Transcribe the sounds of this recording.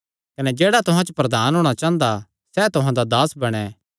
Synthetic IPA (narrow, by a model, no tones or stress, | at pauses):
kɐnɛd͡ʒeːɽat̪ʊɦãt͡ʃəpɾɐd̪aːnɦoːɽ̃at͡ʃãːnd̪a | sɛt̪ʊɦãd̪ad̪aːsbɐɽ̃ɛ